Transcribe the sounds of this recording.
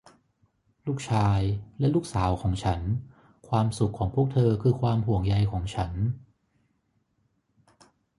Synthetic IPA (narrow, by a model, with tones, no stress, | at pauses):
luː˥˩k̚t͡ɕʰaː˧jlɛ˦˥luː˥˩k̚saː˩˦wkʰɔː˩˦ŋt͡ɕʰa˦˥n | kʰwaː˧msu˨˩kʰːɔː˩˦ŋpʰu˥˩ək̚t̪ʰɤː˧kʰɯː˧kʰwaː˧mhu˨˩˦əŋja˧jkʰɔː˩˦ŋt͡ɕʰa˦˥n